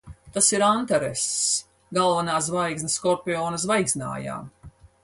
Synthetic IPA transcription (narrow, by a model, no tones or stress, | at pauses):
t̪asiɾant̪aɾes | ɡalˠvanaːs̬vajɡznɨskɔɾpʲiɔːnɐsvajɡzʲna̰ːja̰ːm